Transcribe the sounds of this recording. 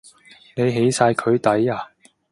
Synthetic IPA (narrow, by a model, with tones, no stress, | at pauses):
ne˨˧jɦe˨˥jsaː˧jkʰɵ˨˧ɥt̪ɐ˨˥jaː˨˧